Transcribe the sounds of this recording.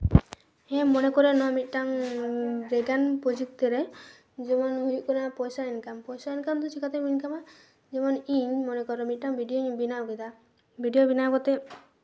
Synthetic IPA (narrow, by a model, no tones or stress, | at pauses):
ɛ̃mɔnekɔɾenɔmit̪̚ˀʈaŋ | ɾeɡanpɔd͡ʒik̚t̪eɾe | d͡ʒemɔnɦujuʔkɔnapɔjsainkampɔjsainkamt̪ut͡ʃikat̪ɔbinkama | d͡ʒemɔniɲmɔnekɔɾɔmit̪̚ʈaŋbʱiɖioɲbinaɡɔjd̪a | bʱiɖijobinaɡɔt̪e